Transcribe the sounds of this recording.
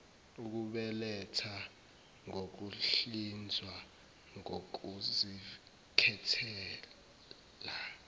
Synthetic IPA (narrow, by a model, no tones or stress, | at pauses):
uk̬uɓɛlɛtʰa | ŋok̬uɬind͡zʱwa | ŋok̬uzi | kʰɛtʰɛː | la